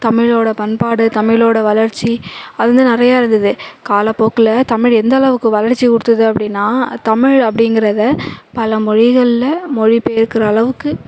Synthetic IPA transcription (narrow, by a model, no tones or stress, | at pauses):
t̪ɐmɪɻoːɽɐpɐnpaːɽɯt̪ɐmɪɭoːɽɐʋɐlɐɾt͡ʃːiɐðɯnd̪ɯnɪrɐjaːɪɾɯnd̪ɯðɯkaːlɐpːoːkːɪlɐt̪ɐmɪɻɛnd̪ɐːɭɐʋɯkːɯʋɐlɐɾt͡ʃːikʊɽɯt̪ːɐðɯɐpːɐɽɪnːaːt̪ɐmɪɻɐpːɐɽɪŋɡɪɾɐðɐpɐlɐmɔɻɪɣɐɭɪlɐmɔɻɪpeɪɾɯkːɪɾɐːɭɐʋɯkːɯ